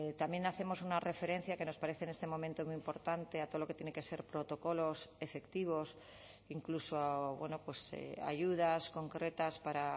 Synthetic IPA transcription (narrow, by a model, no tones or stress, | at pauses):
t̪amje̞naθe̞mo̞sunare̞fe̞ɾẽ̞n̟θjake̞no̞spaɾe̞θeːnest̪e̞momẽnt̪o̞mujimpo̞ɾt̪ant̪e̞at̪oðolo̞ket̪jenekese̞ɾpɾo̞t̪o̞ko̞lo̞se̞fe̞kt̪iβ̞o̞s | iŋklusoβwe̞no̞pwe̞sa̰ʝuð̞asko̞ŋkɾe̞t̪aspaɾa